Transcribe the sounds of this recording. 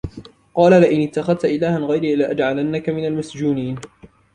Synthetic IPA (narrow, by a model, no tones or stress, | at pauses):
qɑːlalɪʔɪnɪt̪ːaxaðt̪aʔɪlaːhanɣajɾiːlaʔad͡ʒʕalanːakamɪnalmasd͡ʒuːniːn